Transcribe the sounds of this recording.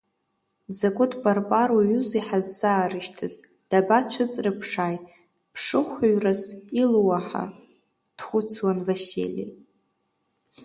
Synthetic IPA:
d͡zakʷʼʊtʰbʼarpʼaruɥuziħazːaːɾɨʃtʰɨz | d̥abat͡ʃʷʰat͡sʼrɨpʰʂaːj | pʰʂɨχʷaɥrasiluwaħa̰ | d̥χʷʊt͡sʰwanvasḭlʲḭ

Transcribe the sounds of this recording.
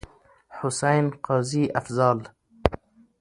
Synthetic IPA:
ħʊsajnqɑːziʔafzɑːl

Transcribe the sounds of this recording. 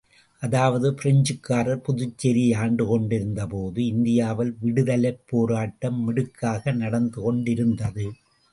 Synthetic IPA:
ʔɐðaːʋɐðɯpɪɾɐɲd͡ʒɯkːaːɾɐɾpʊðʊt͡ʃːɛɾiaːɳɖɯkɔɳɖɪɾɯnd̪ɐpoːðɯɪnd̪ɪjaːʋɐlʋɪɽɯðɐlɐɪpːoːɾaːʈːɐmːɪɽɯkːaːɣɐnɐɽɐnd̪ɯkɔɳɖɪɾɯnd̪ɐðɯ

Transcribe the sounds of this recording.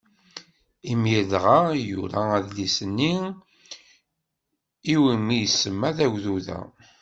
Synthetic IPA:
imjəðʁajṵɾææðlisənːi | iwimijsːəmːæðæʝðuðæ̰

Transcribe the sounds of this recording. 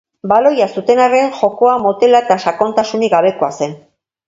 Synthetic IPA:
balo̞jasut̪e̞nareŋxo̞ko̞amo̞t̪e̞laet̪aʃako̞nt̪asuniɣaβe̞ko̞ase̞n

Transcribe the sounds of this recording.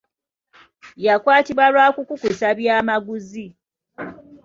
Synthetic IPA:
jakwaːtiβwalwaːkukukusaβjaːmaɡuzi

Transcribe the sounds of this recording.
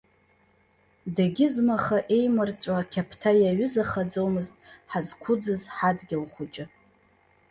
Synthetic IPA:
daɡʲɪzmaχaʔe̞jmɨrt͡sʷʼakʲʰapʰtʰajaɥʊzaχad͡zowmɨztʼħazkʷʰʊd͡zɨzħadɡʲɪlχʷʊt͡ʃʼɪ

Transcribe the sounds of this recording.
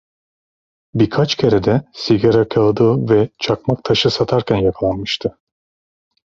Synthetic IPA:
biɾkʰat͡ʃcʲʰe̞ɾed̪ɛsiɡaɾakʰalˠad̪ɯːvɛt͡ʃʰakmak̚t̪ʰaʃɯsat̪ʰaɾcʲʰænjakʰalˠanmɯʃt̪ʰɯ

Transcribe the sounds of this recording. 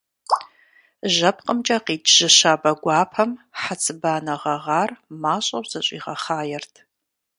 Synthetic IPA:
ʒɐp̚ʰqʼəmt͡ʃʼɐqiːtʒ̥ɨʃaːbɐɡʷɑːpʰɐmħat͡sʰʼɨbaːnɐʁɐʁɑːrmaːɕʼɐwʷz̥ɐɕʼḭːʁɐ̰χaːjɛrtʰ

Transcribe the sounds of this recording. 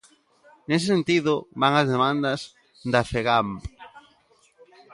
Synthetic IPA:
nes̬ɪsent̪iðʊβaŋɐzðemãnd̪ɐs | d̪afeɣamp

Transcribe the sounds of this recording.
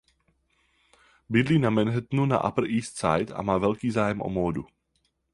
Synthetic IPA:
bid̪liːnamɛnɦɛt̪nuna̰ʔa̰pl̩ʔiːst̪sa̰jt̪a̰maːvɛʎkiːzaːjɛmʔɔ̰mɔːd̪u

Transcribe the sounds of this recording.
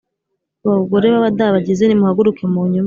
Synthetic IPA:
βaɡoɾe̞βaβadaβaɟizenimuhaɡuɾukemuɲum

